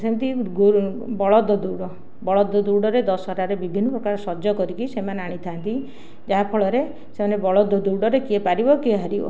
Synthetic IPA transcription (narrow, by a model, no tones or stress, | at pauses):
semt̪iɡu | bɔɭɔd̪ʱːɔd̪uɾɽɔ | bɔɭɔd̪ʱːɔd̪uɾɽɔɾed̪ɔsɦɔɾaɾebibʱinːɔpɾɔkaɾɔsɔd͡ʒɔkɔɾikisemaneaɽ̃it̪ʰant̪i | d͡ʒaɦapʰɔɭɔɾe | semanebɔɭɔd̪ʱɔd̪uɾɖɔɾekiepaɾibɔkieɦaɾibɔ̰